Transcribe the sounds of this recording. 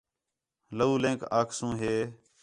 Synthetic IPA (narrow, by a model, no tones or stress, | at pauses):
ləuːlẽːkaːkʰsũːɦeː